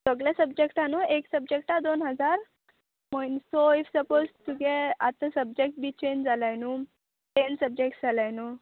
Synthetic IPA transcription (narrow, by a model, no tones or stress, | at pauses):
səɡljasəbd͡ʑekʈanueksəb̚d͡ʑek̚ʈad̪onɦəd͡zaɾ | məjnsoifsəpozʈuɡeat̪ə̃səb̚d͡ʑek̚ʈ̚biːt͡ɕend͡zalajnu | tensəb̚d͡ʑekʈd͡zʱalajnu